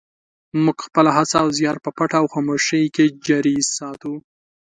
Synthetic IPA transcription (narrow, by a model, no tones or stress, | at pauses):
muɡxpəlaɦat͡saːwzjɑɾpəpaʈaːwxamoʃəjked͡ʒaɾizsɑt̪u